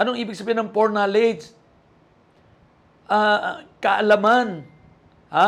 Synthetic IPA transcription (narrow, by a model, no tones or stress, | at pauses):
ʔɐnoɐŋʔiːbɪɡ̚sɐbiːhɪnɐŋpoɹnaled͡ʒ | ʔakɐʔɐlaman | ha